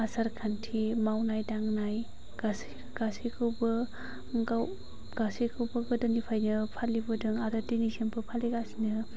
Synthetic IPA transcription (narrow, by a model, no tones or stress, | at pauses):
asaɾkʰantʰimawnajdaŋnaj | ɡ̥as | ɡ̥asikʰɯwbɯ | ɡaw | ɡ̥asekʰɯwbɯɡɯdɯnipʰajnɯpʰalibɯdɯŋadadinisenpʰɯpʰaliɡasinɯ